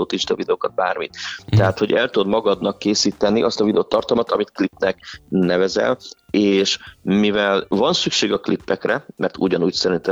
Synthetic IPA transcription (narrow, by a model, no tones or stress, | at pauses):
oːt̪it͡ʃt̪ːvid̪ɛoːkɒd̪̚baːrmit̪t̪ːɛɦaːt̪ho̞ɟɛlt̪ud̪mɒɡɒd̪nɒkːeːsiːt̪ɛnːiʔɒst̪ɒvid̪ɛoːt̪ɒrt̪ɒlmɒt̪ɒmit̪klipnɛknɛvɛzɛ̰leːʃmivɛlvɒnsykʃeːɡɒklipːɛkrɛmɛrt̪ṵɟɒnuːcsɛɾint̪ɛ